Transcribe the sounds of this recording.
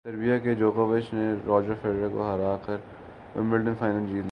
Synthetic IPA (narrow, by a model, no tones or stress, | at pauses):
t̪ɐɾbijaked͡ʒoːkaʋəʃneɾɔːd͡ʒəfeːɖɾako̰ɦɐɾaːkɐɾ | ɪ̰̃mbɪlɖənfaːɪnəld͡ʒiːl